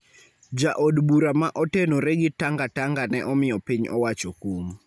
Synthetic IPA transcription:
d͡ʒaʔodbuɾamaʔɔtenoɾeɡɪtaŋɡataŋɡanɛ̰ʔɔmɪjɔpiɲɔ̰wat͡ʃɔkum

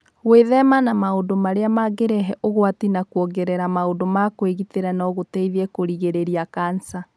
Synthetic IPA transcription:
ɣweðɛmanamaodomaɾeamaɡeɾɛɦɛʔoɣwatinakwɔɡɛɾɛɾamaodomakweɣiteɾanɔɣotɛiðɛkoɾiɣeɾeɾiakansa

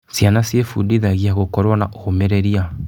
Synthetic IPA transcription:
sjanasjefudiðaɣiaɣokɔɾwanaʔohomɛɾeɾia

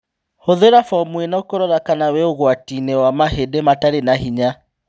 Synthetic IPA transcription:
hoðeɾafɔmwenaokoɾɔɾakanawɛoɣwatinɛwamaɦedemataɾenaɦiɲa

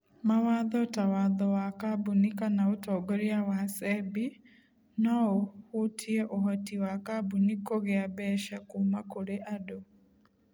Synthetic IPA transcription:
mawaðɔtawaðɔwakabunikanaotɔɡoɾiawasɛbi | nɔohutʰiɛʔoɦɔtiwakabunikoɣeabɛʃakumakoɾeʔado

